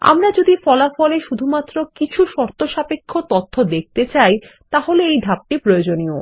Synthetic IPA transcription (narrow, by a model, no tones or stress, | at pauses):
a̰mɾad͡ʑod̪ifɔlafɔleʃud̪ʱumat̪ːɾokit͡ɕʰuʃɔɾt̪ʰoʃapekʰːot̪ɔt̪ʰːod̪ek̚t̪et͡ɕajt̪aɦoleejɖʱap̚ʈipɾojod͡ʑonio